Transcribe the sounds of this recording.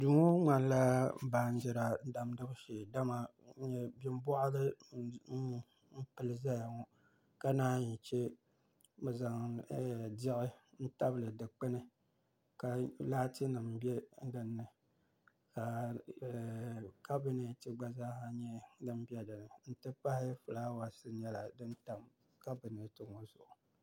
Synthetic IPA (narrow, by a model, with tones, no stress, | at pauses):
du˨ŋo˦ŋa˨n˦la˦baː˨n̩˦d͡ʒɛ˨ɾa˨˦da˨m˦dɨ˦bʃeː˨da˦ma˨˦ | ɲɛ˦bɪ˦m˦bʊ˦ʔa˦lɨ˦ | m̩˦pɨ˦˨lɨ˦za˦ja˨ŋɔ˦ | ka˦naː˦ɲi˨t͡ʃɛ˦ | bɛ˨za˨ŋ˨ | dɪ˦ʔɨ˦n̩˦ta˦bɨ˨lɨ˨dɨ˨k͡pɨ˦nɨ˦ | ka˨laː˦ti˦nɨ˨m˨bɛ˦dɨ˨nːɨ˨ | ka˨ | ka˦bi˦ne˨tɨ˦ɡ͡ba˦za˦ha˦ɲɛ˦dɨ˦m˦bi˦ɛ˦dɨ˨nɨ˨n̩˦tɨ˦pa˦hɪ˦fɨ˨la˦wa˨sɨ˦ɲɛ˦la˨dɨ˦nta˨m | ka˦bɨ˨ne˨tɨ˦ŋɔ˦zʊ̰˨ʔʊ˨